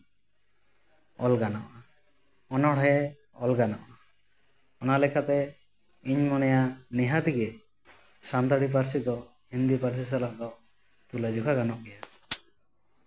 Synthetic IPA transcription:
ɔlɡanɔʔa | ɔnɔɽɦɛ | ɔlɡanɔʔa | ɔnalɛkʰat̪ɛ | iɲmɔnɛjaniɦat̪iki | sant̪aɽip̬aɾsid̪ɔ | hind̪ipaɾs̬isalaʔd̪ɔ | t̪ulad͡ʒukʰaɡanɔʔɡɛja

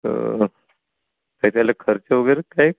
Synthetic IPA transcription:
ə̰ | t̪ət̪jalakʰəɾt͡ɕeʋəɡəjɾekaji

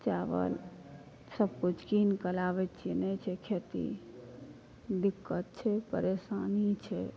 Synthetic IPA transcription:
t͡ʃaʋə̰l | səb̚kut͡ʃʰkinkəlaʋɛt̪t͡ʃʰiɛnɛt͡ʃʰɛkʰet̪ḭ | d̪ikːət̪̚t͡ʃʰɛpə̰ɾesanit͡ʃʰɛ

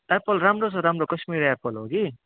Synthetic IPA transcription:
apʌlramrosʌɾamrokʌsmiɾapʌlɦo̰ɡi

